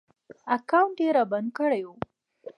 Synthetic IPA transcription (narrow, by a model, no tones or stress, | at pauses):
akawɳʈ̚ɖeɾaband̪̚kəɽajwo